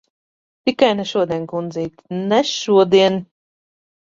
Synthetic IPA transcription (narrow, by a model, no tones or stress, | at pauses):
t̪ikajnɛʃuɔd̪iɛnkund̪ziːt̪nɛʃuɔd̪iɛn